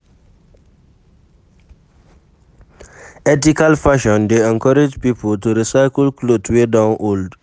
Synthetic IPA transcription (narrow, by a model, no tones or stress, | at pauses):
ɛt̬ikalfaʃɔ̃ndeɛ̃ŋkɔɾɪd͡ʒpipəltuɾisajklklotʰwedãnʔold